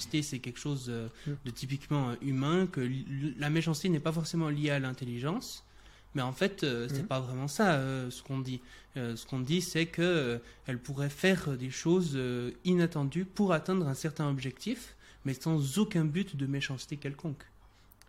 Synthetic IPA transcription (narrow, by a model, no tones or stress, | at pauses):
st̪esɛkʲɛlkə̥ʃozød̪ət̪ip̬ikmɑ̃øʔymɛ̃kəlameʃɑ̃st̪enɛpafɔʁsemɑ̃ljealɛ̃t̪eliʒɑ̃s | mɛɑ̃fɛt̪øsɛpavʁɛmɑ̃saøsə̥kɔ̃d̪i | øsə̥kɔ̃d̪isɛkəøɛlpuʁɛfɛʁd̪eʃozøinat̪ɑ̃d̪ypuʁat̪ɛ̃d̪ʁɛ̃sɛʁt̪ɛ̃ɔbʒɛkt̪if | mɛsɑ̃zokɛ̃byt̪d̪əmeʃɑ̃st̪ekʲɛlkɔ̃k